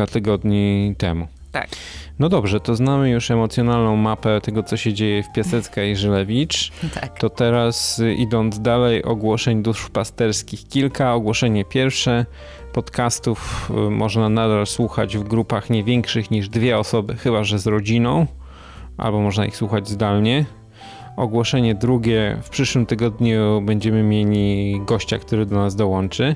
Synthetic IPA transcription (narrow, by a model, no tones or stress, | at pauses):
at̪ɘɡɔd̪ɲit̪ɛ̰mu | a | nɔd̪ɔbʐɛt̪ɔznamɘjuʂɛmɔt̪sʲjɔnalnɔ̃w̃mapɛt̪ɛɡɔt̪sɔɕɛd͡ʑejɛfpʲjasɛt̪skaiʐɘlɛvʲit͡ʂ̪tt̪ɔt̪ɛɾasḭd̪ɔnd̪zd̪alɛjʔɔ̰ɡwɔʂɛɲd̪uʂfpast̪ɛɾskʲixkʲilkaɔɡwɔʂɛɲɛpʲjɛɾfʂɛ | pɔt̪kast̪ufmʔɔʐnanad̪alswuxa̰d͡ʑvɡɾupaxɲɛvʲjɛŋkʂɘxɲiʐd̪vʲjɛɔsɔbɘxɘbaʐɛzɾɔd͡ʑinɔ̃w̃ | ʔa̰lbɔmɔʐnaḭxswuxad͡ʑzd̪alɲɛ | ɔɡwɔʂɛɲɛd̪ɾuɡʲɛfpʂɘʂwɘmt̪ɘɡɔd̪ɲubɛɲd͡ʑɛmɘmʲjelʲiɡɔɕt͡ɕa̰kt̪uɾɘd̪ɔnazd̪ɔwɔnt͡ʂɘ